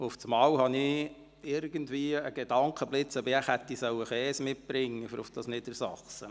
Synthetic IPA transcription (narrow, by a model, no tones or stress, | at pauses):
ʊft͡smɑːwhɑni | ɪɾɡəndʋiəəɡ̥ed̥ɑŋkʰəblɪt͡səbɪæχhæt̪ːisœwəxɛːsmɪt̚b̥ɾɪŋːəfəɾʊfd̥ɑsnɪdəɾsɑχsə